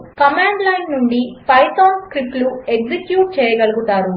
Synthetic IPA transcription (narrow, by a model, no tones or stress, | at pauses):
kɐmaːɳɖlɐjnːuɳɖipɐjt̪oːnskɾiplueɡd͡ʒekjuːʈ̚t͡ʃɛːjɐɡɐluɡut̪aːɾu